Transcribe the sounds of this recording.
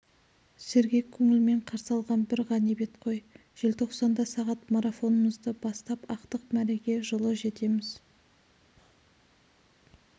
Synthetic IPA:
se̞ɾɡʲe̞kʲʰːɵŋɪlme̞ɴqʰɑɾsɑlˠʁɑnbɪɾʁɑnebe̞t̪qʰo̞j | ʒ̥e̞lt̪ʰo̞qsɑnd̪ɑsɑʁɑt̪maɾafo̞nəməzd̪əbɑst̪ɑpɑqt̪əqmæɾeɡʲe̞ʒəlˠəʒe̞t̪e̞mɪz̥

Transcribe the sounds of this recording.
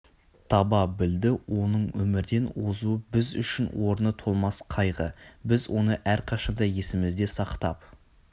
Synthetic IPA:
t̪ʰɑbɑbɪld̪ɪwʔo̞nəɴwɵmɪɾd̪e̞nwozuəbɪzʏ̰ʃɪnwo̞ɾnət̪ʰo̞lˠmɑsqʰɑjʁə̰bɪzwo̞nəʔæɾqʰɑʃɑnd̪ɑje̞sɪmɪzd̪e̞sɑqt̪ɑ̰p

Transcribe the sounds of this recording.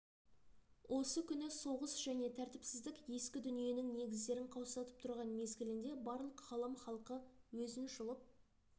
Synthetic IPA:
wʔo̞səkʲʰʏnɪso̞ʁəsʒ̥æne̞t̪ʰæɾt̪ɪpsɪzd̪ɪkʲje̞skʲɪd̪ʏnije̞nɪŋne̞ɡʲɪzd̪e̞ɾɪŋqʰɑwsɑt̪əp̚t̪ʰʊɾʁɑnme̞zɡʲɪlɪnd̪e̞bɑɾlˠəqχɑlˠɑmχɑlˠqəwɵzɪnʒʊlˠəp̚

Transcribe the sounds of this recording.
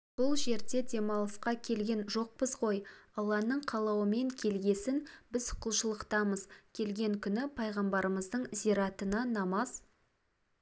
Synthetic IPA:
b̥ʊlˠʒe̞ɾd̪e̞d̪e̞mɑlˠəsqɑkʲʰe̞lɡʲe̞nʒo̞q̚pəzʁo̞jɑlˠːɑnəɴqʰɑlˠɑwəme̞ŋkʲʰe̞lɡʲe̞sɪnbɪzqʰəlˠʃəlˠəqt̪ɑməzkʲʰe̞lɡʲe̞ŋkʲʰʏnɪpʰɑjʁɑmbɑɾəməzd̪əɴziɾɑt̪ənɑnɑmɑz

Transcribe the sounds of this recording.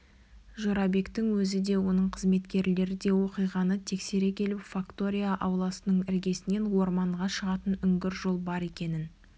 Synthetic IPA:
ʒo̞ɾɑbe̞kt̪ɪŋwɵzɪd̪e̞wo̞nəɴqʰəzme̞t̪kʲe̞ɾle̞ɾɪd̪e̞wo̞qijʁɑnət̪ʰe̞kse̞ɾe̞kʲʰe̞lɪpfakt̪o̞ɾʲijaʔɑwlˠɑsənəɴɪɾɡʲe̞sɪne̞nwo̞ɾmɑɴʁɑʃəʁɑt̪ənʏŋɡʲɪɾʒo̞lˠbɑɾe̞kʲe̞nɪn

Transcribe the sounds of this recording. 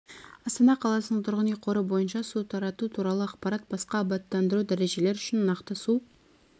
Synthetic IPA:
ɑst̪ɑnɑqʰɑlˠɑsənəɴt̪ʰʊɾʁənijqʰo̞ɾəbo̞jənʃɑsut̪ʰɑɾɑt̪ut̪ʰuɾɑlˠəɑqpɑɾɑt̪̚bɑsqɑːbɑt̪ːɑnd̪əɾud̪æɾe̞ʒe̞le̞ɾʏʃɪnːɑqt̪əsu

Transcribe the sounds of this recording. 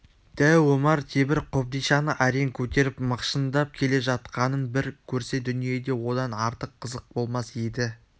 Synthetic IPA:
d̪̥æwomɑɾt̪ʰebɪɾqʰop̚d̪ijʃɑnəʔæɾeŋkʲʰɵt̪e̞ɾɪpməqʃənd̪ɑp̚kʲʰe̞le̞ʒɑt̪qɑnənbɪɾkʲʰɵɾse̞d̪ʏnije̞d̪e̞wo̞d̪ɑnɑɾt̪əqʰːəzəq̚bo̞lˠmɑsed̪ɪ

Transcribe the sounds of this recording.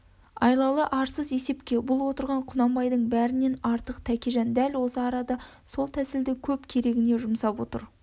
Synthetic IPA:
ɑ̰jlˠɑlˠəʔɑɾsəze̞se̞pkʲe̞bʊlˠwo̞t̪əɾʁɑɴqʰʊnɑmbɑjd̪əɴbæɾɪne̞nɑɾt̪əqt̪ʰækʲe̞ʒɑnd̪ælwo̞səɑɾɑd̪ɑ | so̞lˠt̪ʰæsɪld̪ɪkʲʰɵpkʲʰe̞ɾe̞ɡʲɪne̞ʒʊmsɑpwo̞t̪ə̰ɾ

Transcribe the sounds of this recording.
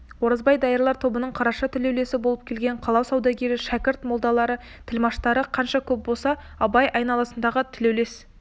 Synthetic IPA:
wo̞ɾəzbɑjd̪ɑjəɾlˠɑɾt̪ʰo̞bənəɴqʰɑɾɑʃɑt̪ʰɪlewle̞sɪbo̞lˠəp̚kʲʰe̞lɡʲe̞ɴqʰɑlˠɑwsɑwd̪ɑɡʲe̞ɾɪʃækʲɪɾt̪molˠd̪ɑlˠɑɾə | t̪ʰɪlmɑʃt̪ɑɾəqʰɑnʃɑkʲʰɵp̚bo̞lˠsɑ | ɑbɑjʔɑjnɑlˠɑsənd̪ɑʁət̪ʰɪlewle̞s

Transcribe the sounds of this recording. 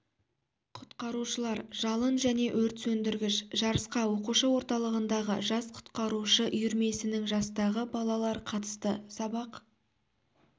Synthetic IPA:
qʰʊ̥t̪qɑɾuʃəlˠɑɾʒɑlˠənʒæne̞ʔɵɾt̪sɵnd̪ɪɾɡʲɪʃʒɑɾəsqɑwo̞quʃəwo̞ɾt̪ɑlˠəʁənd̪ɑʁə̰ʒɑsqʰʊ̥t̪qɑɾuʃəʔʏjʏɾme̞sɪnɪŋʒɑst̪ɑʁəbɑlˠɑlˠɑɾqʰɑt̪ə̥st̪əsɑbɑq

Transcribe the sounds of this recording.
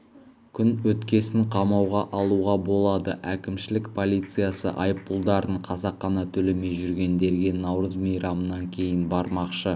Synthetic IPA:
kʲʰʏnwɵt̪kʲe̞sɪɴqʰɑmɑwʁɑʔɑlˠuʁɑbo̞lˠɑd̪ə̰ʔækʲɪmʃɪlɪkpʰo̞lˠijt̪sɨjasə̰ʔɑ̰jəp̚ːulˠd̪ɑɾəɴqʰɑzɑqːɑnɑt̪ʰɵleme̞jʒʏɾɡʲe̞nd̪e̞ɾɡʲe̞nɑwɾəzmijɾɑmənɑŋkʲʰe̞jɪnbɑɾmɑqʃə

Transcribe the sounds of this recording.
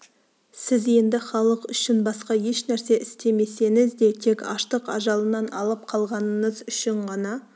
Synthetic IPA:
sɪze̞nd̪ɪχɑlˠəqʏʃɪnbɑsqɑje̞ʃnæɾse̞ʔɪst̪e̞me̞se̞ŋɪzd̪e̞t̪ʰe̞kɑ̰ʃt̪əqɑ̰ʒɑlˠənɑnɑlˠəp̚qʰɑlˠʁɑnəɴəzʏʃɪɴʁɑnɑ

